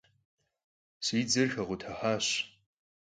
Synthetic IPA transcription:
siːd͡zɨrxɐʁʷʊtʰɐħaːɕ

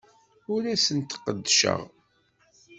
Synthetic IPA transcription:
ʊɾæsənt̪qəd̪ːʃə̰ʁ

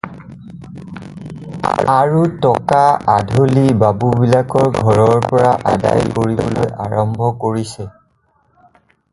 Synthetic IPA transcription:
aɹutɔkaʔadʱolibabubilakɔɹɡʱɔɹɔɹpɔɹaʔada̰jkoɹibɔ̰lo̰jʔaɹɔmbʱɔkoɹisɛ

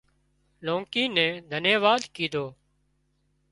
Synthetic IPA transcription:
lõːŋkiːnɛ̃ːd̪ʱəneːʋaːd̪kiːd̪ʱoː

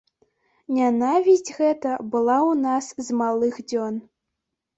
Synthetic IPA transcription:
nʲanavʲizʲd͡zʲɣɛt̪ɐbɨlˠawnaszmalˠɨxd͡zʲɔn

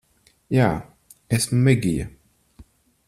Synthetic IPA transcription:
jaː | esmumɛɡʲija̰

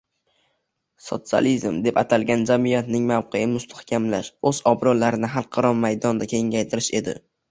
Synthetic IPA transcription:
so̞̰t̪sɨa̰lizmd̪e̞pat̪ʰalɡʲand͡ʒamijat̪nɪŋmawqʰejɪmʊst̪ʰḁhkʲʰamlaʃɵz̥ɒbɾɒlːaɾɪnɪɦalˠqʰɑɾɒmmajd̪ɒnd̪akʲʰe̞ŋʲajt̪ʰɪɾɪʃe̞̰d̪ɪ̰

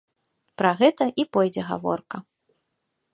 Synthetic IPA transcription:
pɾɐɣɛt̪ɐʔipɔjd͡zʲɛɣa̰vɔ̰rkɐ

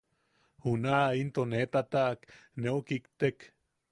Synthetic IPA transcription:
hunaʔint̪onet̪at̪aʔkneokikt̪ek

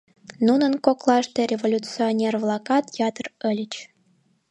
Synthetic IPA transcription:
nunənkoklˠɑʃt̪erʲevolʲut͡sionʲervlˠɑkɑt̪jɑt̪ərə̆lʲət͡ɕ

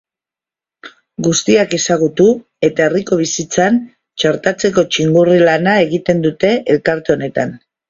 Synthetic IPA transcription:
ɡust̪iake̞saɣ̞ut̪u | e̞t̪ae̞riko̞β̞isit͡san | t͡ʃaɾt̪at͡se̞ko̞t͡ʃiŋɡurilanae̞ɣit̪e̞nd̪ut̪e̞ʔelkaɾt̪e̞o̞ne̞t̪an

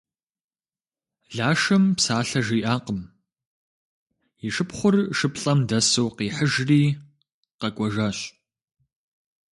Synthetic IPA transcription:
ɮaːʂɐmpsaːɬɐʒiːʔaːqəm | iʂɨpχʷʊrʂɨpɬʼɐmdɐsowqiːħəʒriː | qɐkʷʼɔʒaːɕ

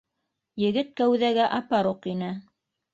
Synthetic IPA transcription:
jɘ̆ɡɘt̪̚kæwðæɡæʔɑpɑɾuqinɘ

